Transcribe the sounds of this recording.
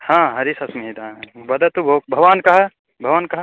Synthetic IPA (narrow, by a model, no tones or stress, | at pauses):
hãːɦɐɾisɐsmiɦid̪ãːbɐd̪ɐt̪ubʱoːk̚bʱɐʋaːnkɐɦɐ | bʱɐʋaːnkɐɦɐ